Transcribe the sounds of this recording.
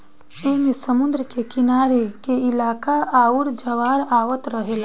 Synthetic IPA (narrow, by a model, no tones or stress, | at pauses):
eːmesəmʊnd̪ɾəkekɪnaːɾekeɪlaːkaaːʊɾd͡ʒəʋaːɾaːʋət̪ɾəɦeːla